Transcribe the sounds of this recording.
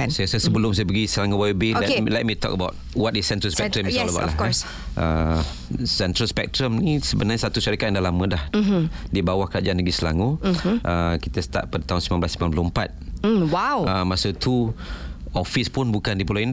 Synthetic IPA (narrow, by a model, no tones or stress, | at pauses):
sajəsəsəbəlʊms̬ajəp̬əɡisəlaŋobawibeɛelɛt̚mit̪ɔ̰kəbaʊt̚wɔtisːɛntɾəlspɛk̚tɾəmialba̰ʔlaɔs | ʔə | sɛntɾəlspɛ̰k̚tɾəmnisəbənaɲasat̪uʃaɾikat̚ʔndahlamə̃dahdibawahkɾad͡ʒaanbəɡisəla̰ŋoʔəkit̪əsə̥t̪a̰ʔ̚padət̪aɦunsimãnblaslimãnplɔəmpat̪̩̚wawəmasət̪ʰu | ɔfispʊnbukandipolaind